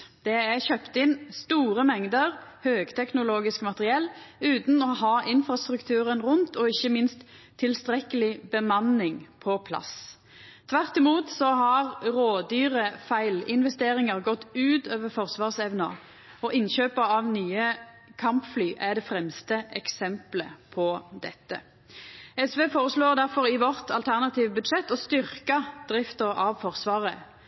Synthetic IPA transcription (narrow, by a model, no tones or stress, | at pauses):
d̪̥ɛæçøpt̪ɪnst̪uːɾəmɛŋd̪əɾhøːɡt̪ʰɛknʊloːɡɪskmɑt̪əʁɪɛlːʉːt̪n̩ɔhɑːʔɪnfɾɑst̪ɾʉkt̪ʰʉːɾənʁʊnt̪ɔɪçəmɪnst̪ʰː | ɪlst̪ɾɛkəlɪbəmɑnːɪŋpʰɔpʰlɑ̰s | t̪ʰʋæʁt̪ɪmuːt̪sɔhɑʁɾoːd̪yːʁəfæɪlɪnʋɛst̪eːʁɪŋɑʁɡɔt̪ːʉːt̪øːʋəʁfɔʁsʋɑːʁsɛʋnɑ | ɔʔɪnɕøːpəɑʋnyːə | kʰɑmpflyːʔæd̪ɛːfʁɛmst̪əɛksɛmpləpʰɔd̪ɛt̪ːə̰ | ɛsʋeːfoːʁəsloːʁd̪æʁfɔʁɪʋɔʁt̪ʰɑlt̪ʰæʁnɑt̪iːʋbʉd̪ʃɛt̪ːɔst̪ʏʁkɑd̪̥ʁɪft̪əʁɑʋfɔʁsʋɑːʁə